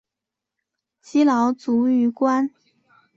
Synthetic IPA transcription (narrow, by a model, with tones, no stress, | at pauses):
t͡ɕi˥lɑ˧˥ʊt͡su˧˥y˧˥kwa˥n